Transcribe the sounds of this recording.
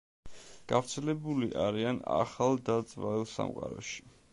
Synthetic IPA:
ɡ̥avɾt̪sʰɛlɛbuliʔaɾiana̰χalˠd̪ad̪zʼvaɛlˠsa̰mqʼaɾɔʃi̥

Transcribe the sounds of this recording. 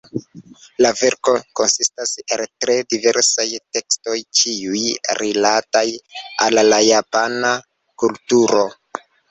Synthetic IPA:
lave̞ɾko̞ko̞nsistaseltɾe̞dive̞ɾsajte̞ksto̞jt͡ʃiujɾilataja̰lːajapana | kultuɾo̞

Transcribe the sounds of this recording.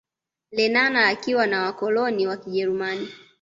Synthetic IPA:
lɛnanaːkiwanawakɔlɔniwakiʄɛɾumani

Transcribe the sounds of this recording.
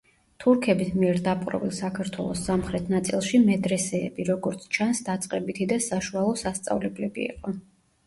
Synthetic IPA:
t̪ʰuɾkʰɛbismiɛɾd̪apʼqʼɾɔ̰vilˠsakʰaɾt̪ʰwɛlˠɔsːamχɾɛt̪ʰnat̪sʼilˠʃimɛd̪ɾɛsɛ̰ːbiɾɔɡɔɾt̪sʰt͡ʃʰansd̪at̪sʼqʼɛbit̪ʰid̪asaʃualˠɔsast̪sʼa̰vlɛblɛbḭḭqʼɔ

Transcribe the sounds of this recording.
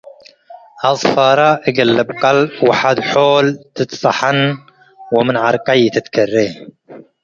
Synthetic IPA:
ʔɑsˤfɑːɾˤɑʔɪɡalːɪbqɑlbwaħad̪ħoːlt̪ɨt̪sˤɑħɑn | wɪmɪnʕɑɾˤqɑjt̪ɪt̪karːiː

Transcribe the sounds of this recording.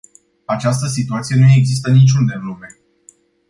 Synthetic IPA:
at͡ʃast̪əsit̪uat̪sije̞nue̞ɡzist̪ənit͡ʃʲund̪evlume̞

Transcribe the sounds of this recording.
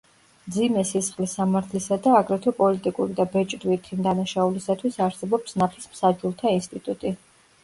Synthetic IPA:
md̪zimɛsisχlisamaɾt̪ʰlisad̪aːɡɾɛt̪ʰɔpʼɔlit̪ʼikʼuɾid̪abɛt͡ʃʼd̪vit̪ʰimd̪anaʃaulisat̪ʰwisaɾsɛbɔpsnapʰismsad͡ʒulˠt̪ʰainst̪ʼit̪ʼut̪ʼi

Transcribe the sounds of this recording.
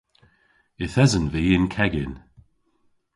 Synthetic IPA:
ɪθɛzənviːɪnkʰɛɡɪn

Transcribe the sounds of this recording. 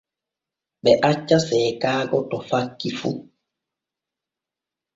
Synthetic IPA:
ɓɛʔat͡ʃːasɛːkaːɡɔtɔfakːifṵ

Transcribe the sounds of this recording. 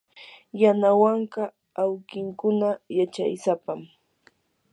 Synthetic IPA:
janawɑɴɢɑ | awkɪŋkʊnajat͡ʃa̰jsapam

